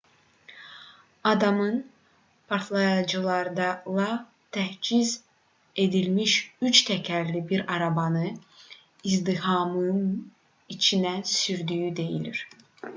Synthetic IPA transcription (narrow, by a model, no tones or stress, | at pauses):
ɑd̪ɑmɯn | pʰaɾt̪ʰlˠɑjɑd͡ʒɯlˠɑɾd̪ɑlˠɑ | t̪ʰæhd͡ʒiz | e̞d̪ilʲmiʃyt͡ʃt̪ʰɛcʰæɾlʲibiɾɑɾɑbɑnɯ | izd̪ihɑmɯm | it͡ʃʰinæsyɾd̪yːyd̪e̞jḭlʲḭɾ̥